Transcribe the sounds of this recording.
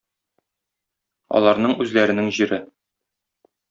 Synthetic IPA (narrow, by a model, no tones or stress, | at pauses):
ɒ̰lˠɑɾnɤɴʉzlæɾɘ̆nɘŋʑiɾɘ